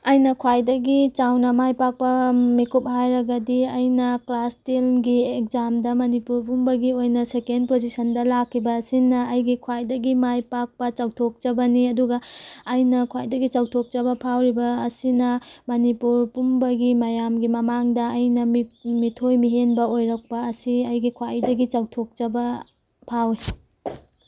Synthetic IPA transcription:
ɐjnɐkʰwajdɐɡit͡ʃawnɐmajpak̚pɐmikup̚ɦajɾɐɡɐdiɐjnɐklastilɡiek̚zamdɐmɐnipuɾpumbɐɡiojnɐsekendpod͡ʒisɐndɐlakʰːibɐːsinːɐɐjɡikʰwajdɐɡimajpak̚pɐt͡ʃɐwtʰok̚t͡ʃɐbɐniɐduɡɐːjnɐkʰwajdɐɡit͡ʃɐwtʰok̚t͡ʃɐbɐpʰawɾibɐːsinɐmɐnipuɾpumbɐɡimɐjamɡimɐmaŋdɐːjnɐmitʰojmiɦenbɐojɾɐk̚pɐːsiɐjɡikʰwajdɐɡit͡ʃɐwtʰok̚t͡ʃɐbɐ | pʰawi

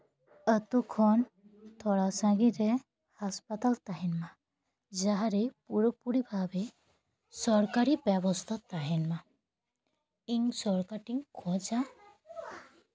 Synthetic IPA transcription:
ət̪ukʰɔn | t̪ʰɔɽasãɡiɾe | haspat̪alt̪aɦinma | d͡ʒaɦaɾepuɾɔpuɾibʱabe | sɔɾkaɾibabɔst̪ʰat̪aɦinma | iŋsɔɾkaʈiŋkʰɔd͡ʒa

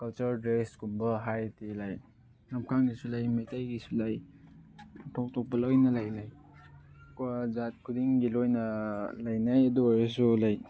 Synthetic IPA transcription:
kɐlt͡ʃɐɾdɾeskumbɐɦajtilaj | namkʰaŋɡisulajmajtajɡisulaj | tʰɔk̚tʰɔk̚pɐlɔjnalajlaj | kwazat̚kʰudiŋɡilojnɐlajnajɐduaɾes̬ulaj

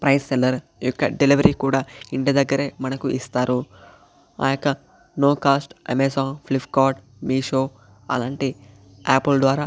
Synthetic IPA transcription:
pɾɐjsːɛlɐɾ | jɔkːɐ̰ɖeliʋɐɾiːkuːɽaːiɳɖid̪ɐɡːɐɾeːmɐnɐkuʔist̪aːɾu | a̰ːjɔkːɐ | noːkaːsʈḛmeːsaːplipkaːʈ | miːʃoː | ɐ̰laːɳʈi | ɛːpɐld̪ʋaːɾaː

